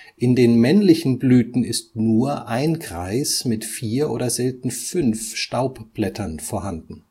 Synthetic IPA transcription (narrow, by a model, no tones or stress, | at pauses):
ʔɪndeːnmɛnlɪçn̩blyːtn̩ɪstnuːɐʔaɪnɡʁaɪsmɪtfiːɐʔo̰ːɾɐzɛltn̩fʏnfʃtaʊpb̥lɛtʰɐnfoːɐɦandn̩